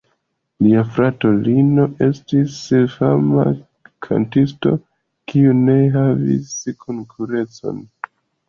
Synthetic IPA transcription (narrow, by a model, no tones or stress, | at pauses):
liafɾato̞lino̞ʔe̞stisfama̰ | kʰa̰ntisto̞̰ | kiune̞ɦavḭskʰoŋkʰuɾe̞t͡so̞̰n